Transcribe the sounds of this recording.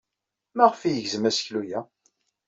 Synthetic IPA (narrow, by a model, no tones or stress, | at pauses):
mæʁəfijəʝzəmæsə̥çlujæ